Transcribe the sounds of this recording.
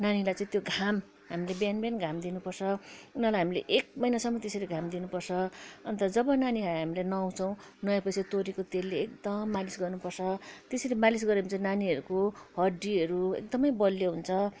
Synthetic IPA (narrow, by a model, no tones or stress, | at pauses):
nanilajt͡sʌ̃ĩt̪joɡʱam | ɦamilebjanbanɡʱamd̪inupʌrt͡sʰʌunʌlajɦamileʔek̚mʌjnasʌmːʌt̪eseleɡʱamd̪inupʌrt͡sʰʌʌnt̪ʌd͡zʌbʌnanikaɦamilajnʌaw̃t͡sʰʌw̃ | nʌjapʌjsat̪oɾikot̪elleːk̚d̪ʌmːalisɡʌrnupʌrt͡sʰʌt̪eselemalis̬ɡʌɾeũnt͡sʌ̃ĩnaniʌɾukoɦʌɖːiʌɾuḛk̚d̪ʌmʌjbʌlːoɦunt͡sʰʌ